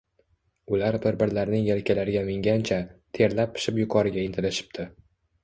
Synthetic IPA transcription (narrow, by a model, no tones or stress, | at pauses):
ʊlaɾbɪɾbɪɾlaɾnɪŋjelkʲʰalaɾɪɡʲamɪŋɡʲant͡ʃʰat̪ʰe̞ɾlap̚ʰːɪ̥ʃɪpjʊqʰɒɾɪɡʲaɪnt̪ʰɪlɪʃɪ̥p̚t̪ʰɪ